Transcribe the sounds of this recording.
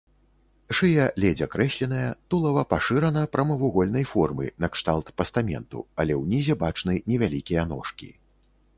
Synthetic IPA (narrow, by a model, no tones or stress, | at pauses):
ʂɨjɛlʲɛd͡zʲɐkɾɛɕʲlʲɛn̪ɐjɐt̪ulˠɐvɐpaʂɨɾɐnɐpɾɐmɐvuɣɔlʲnɐjfɔrmɨ̰nɐkʂt̪alˠt̪pɐst̪amʲɛ̰nt̪ṵɐlʲɛwnʲizʲɛbat͡ʂnɨnʲɛvʲalʲikʲijɐn̪ɔ̰ʂkʲḭ